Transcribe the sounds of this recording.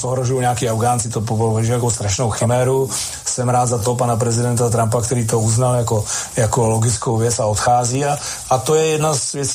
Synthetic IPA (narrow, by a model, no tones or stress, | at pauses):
oɦɾoʒujuɲɛakiːawɡaːnt͡sɪt̪opopvɛʒɛjakowst̪ɾaʃnowxɪmɛːɾu | sɛmɾaːd̪zat̪op̬anap̬ɾɛzɪdɛnt̪at̪ɾampakt̪ɛɾiːt̪ouznaljakojakoloɡɪt͡skowvjɛt͡saot̪xaːziːaat̪ojɛjɛdnazvjɛt͡s